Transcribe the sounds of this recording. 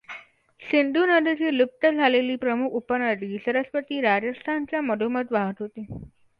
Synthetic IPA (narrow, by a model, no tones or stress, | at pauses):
sind̪ʱunəd̪ʱit͡ɕiːlup̚ʈ̪əd͡zʱaleliːpɾəmukʰupənəd̪iːsəɾəsʋət̪iːɾad͡ʑəst̪ʰant͡ɕjaməd̪ʱomət̪ʋaɦət̪ɦot̪i